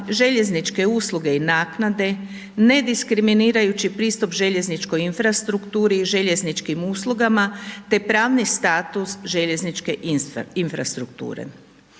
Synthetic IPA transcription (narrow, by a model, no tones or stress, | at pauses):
ʒe̞ʎe̞znit͡ʃke̞uːslˠuɡe̞inaːknad̪e̞ | ne̞d̪iskɾiminiːɾajut͡ɕipɾiːst̪upʒe̞ʎe̞znit͡ʃko̞jinfɾast̪ɾukt̪uːɾiːʒe̞ʎe̞znit͡ʃkimuːslˠuɡamat̪e̞pɾaːʋnist̪aːt̪usʒe̞ʎe̞znit͡ʃke̞ʔinfɾa̰st̪ɾuk̚t̪ṵːɾḛ